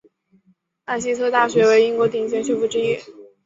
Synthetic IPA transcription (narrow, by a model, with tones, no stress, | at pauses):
a˥˩ɪɕi˥t͡s̪ʰɤ˥t̪a˥˩ɕɥɛ˧˥we˧˥ɪi˥ŋkwɔ˧˥t̪i˥˩ŋɕ̬jɛ˧˥nt͡ɕ̬ʰjo˥˧fu˥˩ʈ͡ʂɻ̩˥˧i˥˩